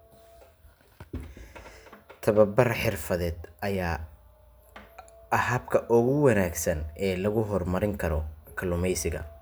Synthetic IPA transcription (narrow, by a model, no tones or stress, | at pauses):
t̪ʰɐβɐbɐrħɪrfɐðɛːd̪ɐjaː | ɐhɐbkʰɐʔʊɣʊwɐnaːɡsɐnɛːlɐɣʊɦɔrmɐɾɪŋkʰɐɾɔkʰɐlʊmɛjsɪɣɐ̰